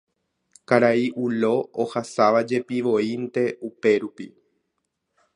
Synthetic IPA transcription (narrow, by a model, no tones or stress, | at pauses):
kaɾaiʔulo̞ohasaʋad͡ʒe̞piʋo̞int̪e̞ʔupe̞ɾupi